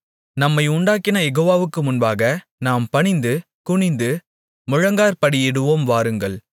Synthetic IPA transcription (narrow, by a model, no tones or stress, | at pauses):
nɐmːɐɪʊɳɖaːkːɪnɐjɛɣoːʋaːʋɯkːɯmʊnbaːɣɐ | naːmpɐɳɪnd̪ɯ | kʊɳɪnd̪ɯ | mʊɻɐŋɡaːɾpɐɽɪjɪɽɯʋoːmʋaːɾɯŋɡɐɭ